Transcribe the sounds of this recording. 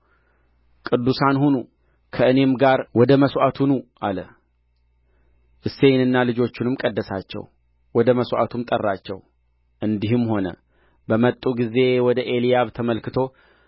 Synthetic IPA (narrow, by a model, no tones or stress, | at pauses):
kʼɨd̪ːusanhunu | kʰəɨne̞mɡaɾwɔd̪əməsʔat̪ʰunuʔalə | ʔɨsːe̞jnɨnːalɨd͡ʒo̞t͡ʃːunɨmkʼəd̪ːəsa̰t͡ʃːɛ̰w | wɔd̪əməsʔa̰t̪ʰumt̪ʼərːat͡ʃːɛ̰w | ʔɨnd̪iɦɨmːho̞nə̰ | bəmət̪ʼːuɡize̞wɔd̪əʔe̞lijaβt̪ʰəməlkɨt̪ʰo̞